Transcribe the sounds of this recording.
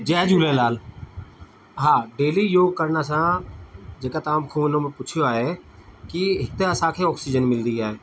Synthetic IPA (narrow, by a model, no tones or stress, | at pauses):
d͡ʒɛːd͡ʒuːlẽlaːl | ɦãːɖeːlijoːɡ̚kəɾnasã | d͡ʒeːkat̪aːmkʰũnõmẽpʊt͡ʃʰjoaːɦekiɦɪt̪eɐsãːkʰeɔːksid͡ʒənmɪld̪iaːɦeː